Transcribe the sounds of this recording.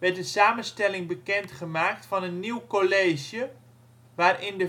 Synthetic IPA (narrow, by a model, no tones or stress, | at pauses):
ʋɛt̚dəsaːmənstɛlɪŋbəkɛntχəmaːk̚tfɑnənːiwkoleːʒjə | ʋaːrɪndə